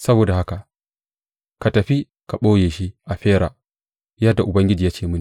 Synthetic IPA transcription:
sɐ˦boː˨da˨ha˦ka˨ | ka˨tɐ˨ɸi˦ | ka˨ɓoː˦jeː˨ʃi˦ʔa˨ɸeː˦ɾa˨ | ja˦da˨ʔʊ˨bɐ˦ŋɡʲɪ˦d͡ʒi˨ja˦t͡ʃeː˨mɨ˦ni˨

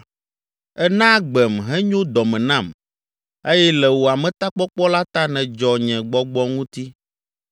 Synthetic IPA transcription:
ɛ˦nã˦ɡ͡bɛ˨mɦɛ̃˦ɲõ˦d̪ɔ˨mɛ̃˨nã˦˨m | e˦jɛ˦lɛ˨wo˨a˨mɛ̃˨t̪a˦k͡pɔ˦k͡pɔ˦la˦t̪a˦nɛ̃˨d͡ʒɔ˨ɲɛ̃˨ɡ͡bɔ˦ɡ͡bɔ˦ŋũ˦t̪i˦

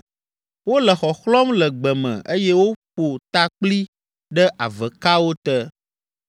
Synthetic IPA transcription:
wo˦lə˨xɔ˨xlɔ˦mlɛ˨ɡ͡bɛ˨mɛ̰̃˨ʔe˦jɛ˦wo˦ɸo˨t̪a˦k͡pli˦ | ɖə˦ʔa̰˨və˨ka˦wo˦t̪ɛ˦

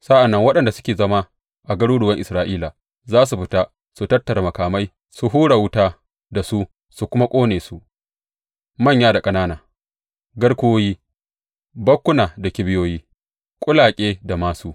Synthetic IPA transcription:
sa˦ʔa˨nːɐ˦ŋwɐ˦ɗɐ˦˨nda˨sʊ˦kʲeː˨zɐ˦ma˦ | ʔa˨ɡɐ˦ɽuː˦ɽʊ˨wɐ˦ŋʔɪ˨sɾaː˦ʔiː˦la˨ | zaː˦s̬u˨ɸɪ˦ta˦ | su˨tɐ˦tːɐ˨ɾa˨mɐ˨kaː˨ma˦j | su˨ɦuː˦ɽa˨wʊ˦taː˦ | da˨su˦ | su˨kʷʊ˦ma˦kʷʼoː˦neː˨su˦ʔ | mɐ˦˨ɲjaː˦da˨kʼɐ˦naː˦naː˨ | ɡɐ˦ɽkʷʊ˦o˦jiː˦ | bɐ˦kʷːʊ˦naː˨da˨kʲɪ˦bɪ˦joː˦jiː˦ | kʷʼʊ˦laː˨kʲʼeː˦da˨maː˦su˦

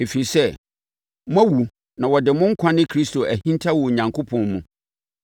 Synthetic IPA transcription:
e˨fi˨i˨sɛ˦˨ | m˦ã˦wu˨ | nã˨wɔ˨dɪ˨mʊ̃˦ŋ̩˦kʷʰã˦nɪ̃˦kʰɾi˦sto˨ʔæ˨hĩ˦ntʰa˦wʊ˨ɲã˨ŋkʰo˦pʰɔ̃˨nmũ˨

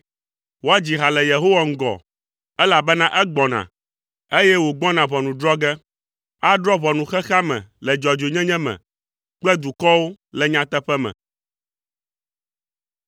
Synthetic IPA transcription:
wo˦a˦d͡ʑi˨ɦa˨lɛ˨je˨ɦo˦wa˦ŋ̩˦ɡɔ̰˨ | ɛ˦la˨bɛ˦nã˦ʔɛ˦ɡ͡bɔ˨nã̰˨ | e˦jɛ˦wo˨ɡ͡bɔ̃˦nã˨βɔ˨nũ˨ɖɾɔ˦ɡɛ˦ | a˦ɖɾɔ˦βɔ˨nũ˨xɛ˦xa˦mɛ̰̃˨lɛ˨d͡ʒɔ˨d͡ʒo˨ɲɛ̃˦ɲɛ̃˦mɛ̰̃˨ | k͡plɛ˦d̪u˨kɔ˦wo˦lɛ˨ɲã˨t̪ɛ˦ɸɛ˦mɛ̰̃˨

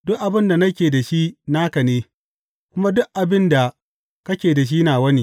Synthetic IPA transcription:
dʊ˦ʔʔa˨bɪ˦nda˨nɐ˦kʲeː˨da˨ʃi˦naː˦kɐ˨neː˦ | kʷʊ˦ma˦dʊ˦ʔʔa˨bɪ˦nda˨ | kɐ˦kʲeː˨da˨ʃ̬iː˦naː˨wɐ˦ni˦

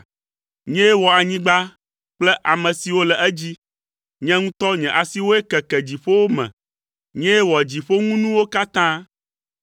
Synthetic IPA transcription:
ɲɛ̃˦ɛ˦wɔ˨a˨ɲĩ˦ɡ͡ba˦ | k͡plɛ˦ʔa˨mɛ̃˨si˨wo˦lɛ˨ʔɛ˦d͡ʑi˦ | ɲɛ̃˦ŋũ˦t̪ɔ˦ɲɛ̃˨ʔa˨si˦wo˦e˦kɛ˨kɛ˨d͡ʑi˨ɸo˦wo˦mɛ̰̃˨ | ɲɛ̃˦ɛ˦wɔ˨d͡ʑi˨ɸo˦ŋũ˦nũ˦wo˦ka˦t̪ã˦

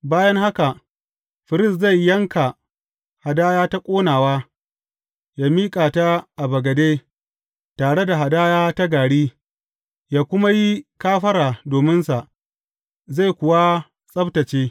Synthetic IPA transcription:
baː˦jɐ˦ŋha˦ka˨ʔ | ɸɪ˨ɾɪ˦sza˦˨jːɐ˦ŋka˨ | ha˨daː˦jaː˦ta˦kʷʼoː˦naː˨waː˦ | jaː˦miː˦kʼaː˨ta˦ʔa˨bɐ˨ɡɐ˨deː˦ | taː˨ɽe˦da˨ɦa˨daː˦jaː˦ta˦ɡaː˨ɽiː˦ | jaː˦kʷʊ˦ma˦ji˦kaː˦ɸɐ˦ɾaː˨doː˨mɪ˦nsa˨ʔ | za˦˨jkʷʊ˨wa˦ | sʼɐ˦btɐ˨t͡ʃeː˦

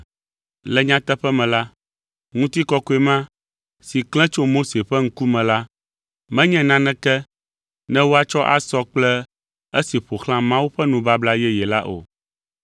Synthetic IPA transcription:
lɛ˨ɲã˦t̪ɛ˦ɸɛ˦mɛ̃˨la˦ | ŋũ˦t̪i˦kɔ˦ko˨˦e˨mã˦ | si˨klɛ̃˦t͡ʃo˦mo˦se˨ɸɛ˦ŋ̩˦ku˦mɛ̃˨la˦ | mɛ̃˦ɲɛ̃˦nã˦nɛ̃˦kɛ˦ | nɛ̃˦wo˦a˨t͡ʃɔ˦ʔa̰˨sɔ˦k͡plɛ˦ | e˦si˨ɸo˨xlã˦mã˦wu˦ɸɛ˦nũ˨ba˦bla˦jɛ˦jɛ˨la˦ʔo̰˨

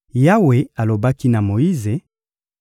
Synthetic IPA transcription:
ja˦we˨a˨lo˨ba˦ki˦na˨mo˨ji˦ze˨

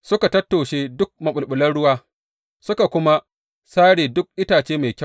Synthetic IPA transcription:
sʊ˦ka˨tɐ˦tːo˨ʃeː˦dʊ˦k̚mɐ˨ɓʊ˨lɓʊ˨lɐ˦nɽʊ˦waː˦ | sʊ˦ka˨kʷʊ˦ma˦ | saː˦ɽeː˨dʊ˦k̚ʔɪ˦taː˨t͡ʃeː˦ma˨jkʲɐ˦

